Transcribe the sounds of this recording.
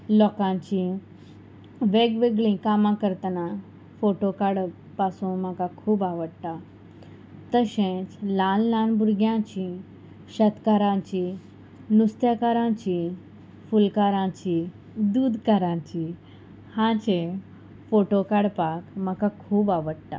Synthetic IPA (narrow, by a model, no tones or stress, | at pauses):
lɔkãt͡ɕĩ | ʋeɡʋeɡɭĩkamãkəɾt̪ənã | foʈokaɽ | pasũm̤akakʰuːbaʋəɽt̪a | t̪əɕẽt͡slãnlãnbuɾɡjãt͡ɕĩ | ɕət̪kaɾãt͡ɕĩ | nust̪ʰjakaɾãt͡ɕĩ | fulkaɾãt͡ɕi | d̪uːd̪kaɾãt͡ɕi | hãt͡ɕẽ | foʈokaɽpakm̤akakʰuːbaʋəɽt̪a̰